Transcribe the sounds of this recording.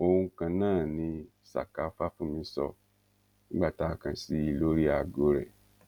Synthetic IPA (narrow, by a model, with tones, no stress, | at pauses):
o˧hũ˧kã˧nãː˦˨nĩ˧ | sa̰˨ka˨˦fa˦fũ˦˨mĩ˧˦sɔ̰˧ | nĩ˦ɡ͡ba˦˨ta˨˦kã˧si˦i˧lo˦ɾi˦a˨ɡo˧˦ɾɛ̰˨